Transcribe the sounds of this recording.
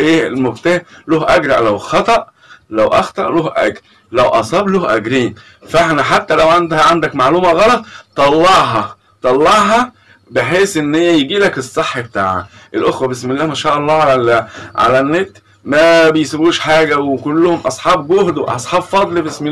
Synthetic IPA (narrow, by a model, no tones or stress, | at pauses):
ʔeːlmobt̪æːhloːhʔæɡɾˤɑ̰ʕlæwxɑt̪ˤɑʔ | læwʔɑ̰xt̪ˤɑʔloːhʔæ̰ɡɾ | læwʔɑ̰sˤɑːbloːhʔæɡɾiːn | feħnæħat̪ːælæwʕand̪hæʕand̪ækmaʕluːmæɣɑlɑt̪ˤt̪ːˤɑlːɑʕɦɑ | t̪ˤɑlːɑʕɦɑ | beħeːsʔenːhejːæjeɡiːlækesˤːeħːbet̪a̰ːʕæ̰ʔelʔoxwæbesmelːæːmæʃæːʔɑlˤːɑːʕalæʕa̰lænːet̪ | mæbejsæbuːʃħaːɡæwekolːohomʔɑsˤħɑːbɡohd̪weʔɑ̰sˤħɑːbfɑd̪ˤlibesme